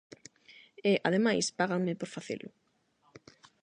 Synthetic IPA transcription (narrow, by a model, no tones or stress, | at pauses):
eʔaðemajspaɣaŋmɪpoɾfaθḛlʊ